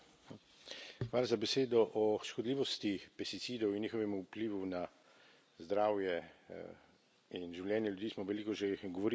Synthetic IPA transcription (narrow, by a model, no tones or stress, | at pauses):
xʋaːlazabɛseːd̪ɔʔɔʃkɔd̪liːʋɔst̪ipɛst̪it̪siːd̪ɔwinːiːxɔʋɛmupliːʋuna | zd̪ɾaːwjɛ | inʒiwljɛːnjɛljud̪iːsmɔʋɛliːkɔʒɛɡɔʋɔɾi